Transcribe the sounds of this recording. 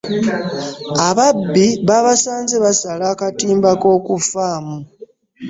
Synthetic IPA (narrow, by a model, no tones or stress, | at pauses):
aβabːiβaβasaːnzeβasalakatiːmbako̞ːkufaːmu